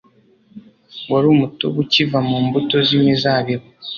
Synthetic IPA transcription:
waɾuːmuto̰βucivamuːmbuto̞zimizaːβiβo

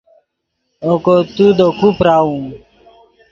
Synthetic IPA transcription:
okot̪ud̪okupɾaːũː

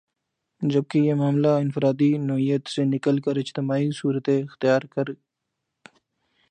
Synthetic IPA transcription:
d͡ʒəb̚kejemaːmlaɪnfɾaːd̪inɔɦijət̪senɪkəlkəɾɪd͡ʒt̪ɪmaːisuːɾət̪eɪxt̪ɪjaːɾkəɾ

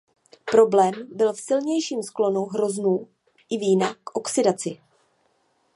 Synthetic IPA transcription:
pɾo̞blɛːmbɪlfsɪlɲɛjʃiːmsklo̞nowɦɾo̞znuː | ʔɪviːnakʔo̞ksɪdat͡sɪ

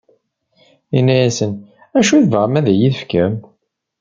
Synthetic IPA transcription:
inːæjæsən | æʃuðvəɾmæðæjiðəfkæm

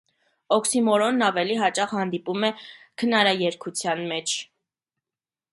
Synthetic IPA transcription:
ɔksimɔɾɔnːɑvɛliɦɑt͡ʃɑχhɑnd̪ipumɛ | kʰənɑɾɑjɛɾkʰut͡sʰjɑnmɛt͡ʃʰ

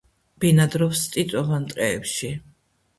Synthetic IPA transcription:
b̥inad̪ɾɔfst̪ʼit̪sʼɔvant̪ʼqʼɛːpʃi

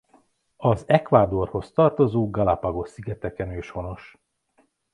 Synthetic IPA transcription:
ɒzɛkʋaːd̪o̞rho̞st̪ɒrt̪o̞zoːɡɒlapɒɡo̞ʃsiɡɛt̪ɛkɛnøːʃho̞no̞ʃ

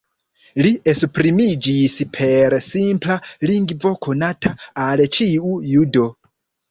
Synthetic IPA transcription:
liesupɾimid͡ʒispʰe̞ɾsimplaliŋɡvo̞kʰo̞natʰaalt͡ʃiujudo̞

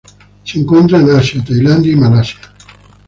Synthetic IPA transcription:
siŋkont̪ɾainasiat̪ajland̪imalasia

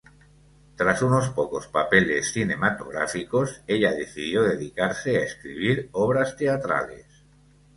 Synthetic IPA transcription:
t̪ɾasuno̞spoko̞spape̞le̞sθine̞mat̪o̞̰ɣ̞ɾa̰fiko̞se̞ʎaðeθiðjo̞ðeðikaɾse̞aeskɾḭβ̞iɾoβ̞ɾast̪e̞at̪ɾa̰le̞̰s

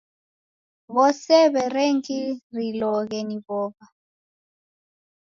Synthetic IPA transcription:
βɔsɛβɛreŋkirilɔɣɛniβɔːβa

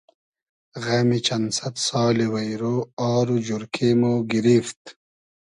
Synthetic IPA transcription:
ɣɐmit͡ɕɐnsɐt̪sɑːliwɐjɾoːaːɾud͡ʑuɾkʰemoːɡiɾift̪

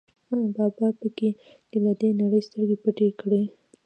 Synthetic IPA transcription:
abɑbɑpəke | t͡ʃelad̪enaɽəjst̪əɾɡepəʈekɽe

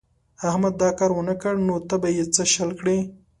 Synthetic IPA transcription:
ahmad̪ːɑkɑɾwənəkəɽnot̪abajet͡səʃəlkɽi

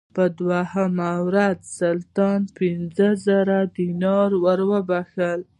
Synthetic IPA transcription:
pəd̪wahamawɾad̪salt̪ɑnpɪnzəzəɾad̪inɑɾwəɾwəbaxəl

